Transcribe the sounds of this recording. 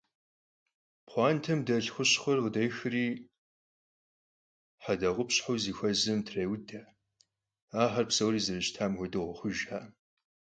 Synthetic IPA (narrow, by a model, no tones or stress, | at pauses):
pχʷɑːntʰɐmdɐɬxʷʊɕχʷɐrqədɐjxɨriː | ħadɐʁʷʊpɕħawziːxʷɐzɨmtʰreːwdɐ | aːħɐrpsɐwriːzɨrɨɕtʰaːmwʷɔdɨʁʷɔxʷʊʒħaː